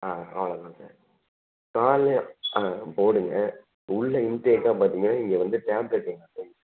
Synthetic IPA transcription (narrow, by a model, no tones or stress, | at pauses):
aːɐ̰ʋɭɐðãːsa̰ːɾ | kaːlː | poːɽɯŋɡɐ | ʊɭːɐɪntekːaːpaːɾt̪iːŋɡɐnːaːɪŋɡɛʋɐnd̪ɯʈaːbɾɐʈːiŋɡɐse